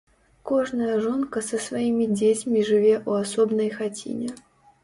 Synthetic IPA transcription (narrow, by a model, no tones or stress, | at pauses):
kɔʐnəjəʐɔnkəsəsvaimʲid͡zʲet͡sʲmʲiʐɨvʲeʔuasɔbnəjxat͡sʲḭnʲɛ